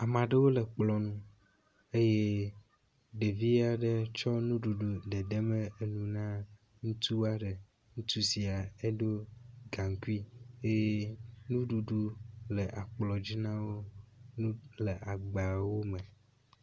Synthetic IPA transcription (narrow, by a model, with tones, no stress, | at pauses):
a˨mã˨ɖe˦wo˦lɛ˨k͡plɔ˨nũ˦ | e˦je˦ | ɖe˨vi˦a˨ɖe˦t͡ʃɔ˦nũ˦ɖu˨ɖu˨ɖe˨ɖe˦mẽ˦e˦nũ˨nã˦ | ŋũ˦t̪u˦a˦ɖe˨ | ŋũ˦t̪u˦si˨a˨e˦ɖo˦ɡã˨ŋ˨ku˦i˦e˦je˦nũ˦ɖu˨ɖu˦le˨ʔa˨k͡plɔ˨d͡ʑi˦nã˦wo˦nũ˦le˨ʔa˨ɡ͡ba˨wo˦me˨